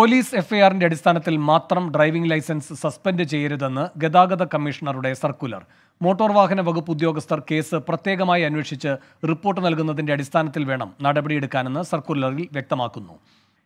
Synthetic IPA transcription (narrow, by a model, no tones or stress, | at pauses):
poliːse̞fɐjaːrinde̞ɐɽist̪ʰaːnɐt̪ːilmaːt̪rɐmɖrɐjʋiŋɡlɐjsɐnsɨsɐspendɨt͡ɕe̞jːɐɾuðe̞nːɨɡe̞d̪aːɡɐðɐkɐmːiʂɐɳɐruɽe̞sɐrkulɐ̰r | mo̞ːʈːoːrʋaːɦɐnɐʋɐɡupːud̪jo̞ːɡɐst̪ʰɐrke̞ːsɨprɐt̪jeːɣɐmaːjiɐnːweʂit͡ɕːɨ | ripːo̞ːrʈːɨnɐlkunːɐðindeɐɽist̪ʰaːnɐt̪ːilʋe̞ːɳɐmnɐɽɐbɐɽije̞ɽukːaːne̞nːɨsɐrkulɐrilʋjek̚t̪ɐmaːkːunːṵ